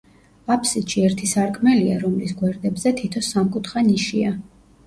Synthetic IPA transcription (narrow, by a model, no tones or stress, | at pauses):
apʰsit̪ʃiɛɾt̪ʰisaɾkʼʰmɛliaɾɔmlisɡwɛɾd̪ɛbzɛt̪ʰit̪ʰɔsamkʼut̪ʰχaniʃia